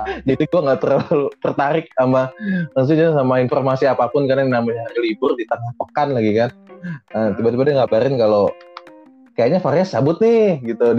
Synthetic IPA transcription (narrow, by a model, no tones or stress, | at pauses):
d͡ʒit̪iɡuaŋɡaʔt̪ərlut̪ərt̪aɾɪk̚ambaməŋs̬id͡ʒaasamainfɔrmasiapapʊnkadaŋnamaɲaɾilibʊrdit̪əŋahpəkanlaɡikanət̪ibat̪ibadaŋɡabaɾɪnkalo | kajaʔɲafaɾiasːabʊt̪̚nɪɡit̪ud